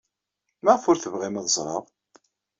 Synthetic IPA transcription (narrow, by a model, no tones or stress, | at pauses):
mæʁfʊɾθəvʁimæðəzˤɾˤɑ̰ʁ